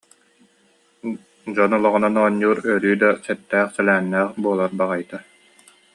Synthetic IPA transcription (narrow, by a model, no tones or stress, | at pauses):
d͡ʑɔnɔlˠɔʁɔnanɔːɲːuːɾœɾyːd̪asɛt̪ːæːχsɛlæːnːæːχbuɔlˠaɾbaʁajt̪a